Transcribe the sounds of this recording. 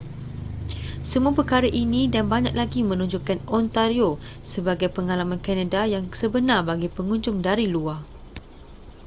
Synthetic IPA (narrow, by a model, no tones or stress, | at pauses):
səmũapəkaɾaʔinĩdanbaɲãk̚laɡimə̃nũɲd͡ʒʊkanɔnt̪aɾiosəbaɡajpəŋalamãnkanadajaŋsəbənarbaɡipəŋũɲd͡ʒʊŋdaɾilua